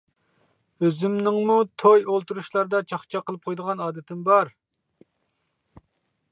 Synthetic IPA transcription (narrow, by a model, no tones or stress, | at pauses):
øzymnɪŋmut̪ʰojolˠt̪uɾuʃlˠɑɾd̪ɑt͡ʃʰɑχt͡ʃʰɑqəlˠɨp̚qʰojd̪əʁɑnɑːd̪ɪt̪ʰɪmbɑɾ